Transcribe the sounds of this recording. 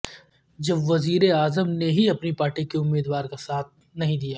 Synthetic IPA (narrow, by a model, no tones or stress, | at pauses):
d͡ʒɐbʋɐziːɾeaːzəmneɦiɐpnipaːɾʈikeʊmːiːd̪ʋaːɾkasaːt̪̚ʰ | nɐɦĩd̪ijaː